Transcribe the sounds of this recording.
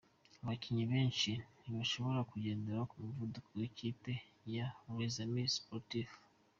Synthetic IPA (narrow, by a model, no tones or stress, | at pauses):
aβaciɲiβe̞ːnʃiniβaʃo̞βo̞ɾakuɟe̞ːndeɾakumivudukoweciːpe̞jaɾezamispoɾtif